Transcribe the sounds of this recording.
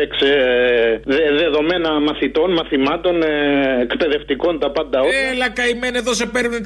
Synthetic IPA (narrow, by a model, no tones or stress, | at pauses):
ekse | ðeðe̞ðo̞me̞nɐmɐθit̪o̞nmɐθimɐt̪o̞neekpe̞ðe̞ft̪iko̞nt̪ɐpɐnd̪ɐoelɐkɐimeneðosepeɾvne